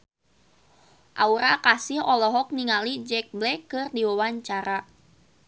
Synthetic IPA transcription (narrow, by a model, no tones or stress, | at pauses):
ʔauɾakasɪhɔlɔɦɔk̚niŋalid͡ʒɛk̚blɛkɨrdiwawaɲt͡ʃaɾa